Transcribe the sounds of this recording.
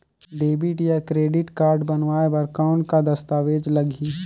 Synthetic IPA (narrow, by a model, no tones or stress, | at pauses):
ɖeːbɪʈjakɾeːɖɪʈkaːɾɖbɐnʋaːebɐɾkaʊ̃ɳʈ̚kad̪ɐst̪aːʋeːd͡ʒlɐɡi